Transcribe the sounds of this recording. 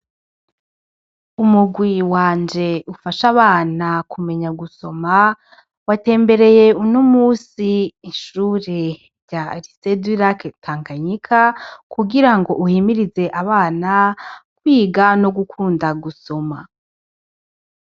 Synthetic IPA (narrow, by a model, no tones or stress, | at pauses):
umuɡwiwaːnd͡ʒe̞ufaʃaβaːnakʰume̞ɲaɡuso̞ma | wate̞ːmbe̞ɾe̞je̞unumuːsiːʃuːɾe̞ | ɾɟaɾisediɾakʰaːŋkaɲikʰakuɡiɾaŋɡo̞ʔuhimiɾize̞ʔaβaːnakwiːɡano̞ɡukʰuːndaɡuso̞ma